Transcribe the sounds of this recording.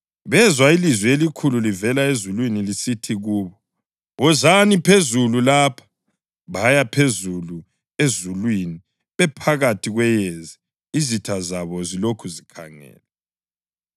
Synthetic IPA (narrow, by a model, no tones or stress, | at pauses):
βɛzwailizwɛelikʰululivɛlaezulwinilisitʰiɣuːβɔ | βɔzanipʰezululapʰḁ | βajapʰezulu | ezulwini | βɛpʰaɣatʰiɣwɛjezi | izitʰazaβɔzilokʰuzikʰa̰ŋɛ̰ːlɛ